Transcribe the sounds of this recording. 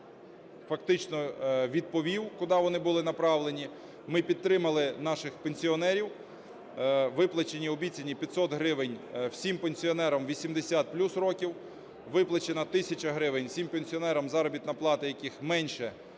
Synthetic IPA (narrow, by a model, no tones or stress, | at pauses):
fɐk̚t̪ɪt͡ʃnɔʋʲid̪̚pɔʋʲiwkʊd̪ɑʋɔnɪbʊlˠɪnɐpɾɑʋlenʲi | mɪpʲid̪̚t̪ɾɪmɐlˠɪnɑʃɪxpenʲsʲiɔnɛɾʲiw | ʋɪplˠɐt͡ʃenʲiɔbʲit͡sʲɐnʲipʲɐt̪sɔt̪ɦɾɪʋɪnʲwsʲimpenʲsʲiɔnɛɾɐmʋʲisʲimd̪esʲat̪̚plʲusrɔkʲiw | ʋɪplˠɐt͡ʃenɐt̪ɪsʲɐt͡ʃɐɦɾɪʋenʲsʲimpenʲsʲiɔnɛɾɐmzɑɾɔbʲit̪nɐplˠɑt̪ɪjɐkixmɛnʲʃɛ